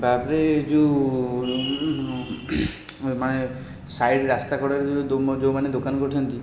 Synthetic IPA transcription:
bapɾed͡ʒu | mane | sajɖɾast̪akɔɽaɾed͡ʒ̪od͡ʒomaned̪okankɔɾiɔnt̪i

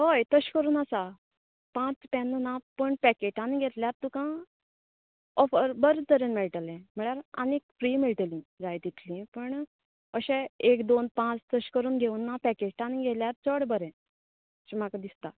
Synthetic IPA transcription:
ɦojt̪əɕkəɾuːnasa | pãt͡sp̪ɛnːənapəɳpɛkeʈaniɡʱet̪ljaɾt̪ukã | ɔfəɾbəɾt̪əɾenmɛɭʈəlɛ̃m̤əɭjaɾa̰nekfɾiːmeɭʈəlĩd͡zajd̪it̪ʰlĩpəɳ | əɕẽekd̪onpãt͡st̪əɕkəɾuːnɡʱeunːapɛkeʈaniɡʱeljaɾt͡səɽbəɾɛ̃ | t͡ɕim̤akad̪ist̪a

